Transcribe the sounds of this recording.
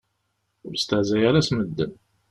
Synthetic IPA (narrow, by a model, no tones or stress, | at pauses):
ʊɾst̪əʕzæjaɾasməd̪ːən